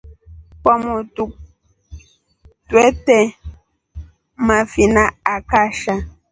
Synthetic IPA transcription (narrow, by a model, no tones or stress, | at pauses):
pɔmotuk̚ | twɛtɛ | mafinaakaʃa